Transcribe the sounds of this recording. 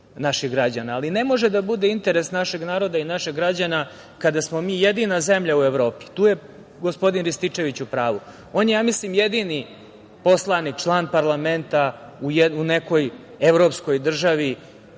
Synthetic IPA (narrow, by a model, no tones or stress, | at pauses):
naʃiɣɡɾad͡ʑanaːline̞mo̞ʒed̪abud̪e̞int̪eɾesnaʃeɡnaːɾo̞d̪ainaʃeɡɾad͡ʑana | kad̪asmo̞miːjed̪iːnaze̞mʎaueʋɾo̞ːpi̥t̪uːje | ɡo̞spo̞d̪inɾist̪it͡ʂe̞ʋit͡ɕupɾaːʋu | oːnjejaːmislimjed̪ini | po̞slˠanik̚t͡ʃlˠaːnpaɾlˠame̞nt̪aujune̞ko̞j | eʋɾo̞ːpsko̞jd̪r̩ʒaʋi